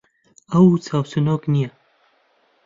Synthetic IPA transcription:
ɐwt͡sʰaːwsɨnoːknijɐ

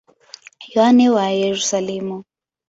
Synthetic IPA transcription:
jɔanɛwajeɾusalɛmu

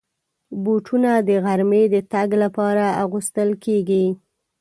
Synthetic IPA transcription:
buʈʰunad̪əɣaɾmed̪ət̪aɡlapɑɾaaɣust̪əlkeɡi

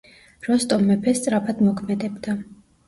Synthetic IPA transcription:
ɾɔst̪ʼɔmɛpʰɛst̪sʼɾapʰad̪mɔkʰmɛd̪ɛbd̪a

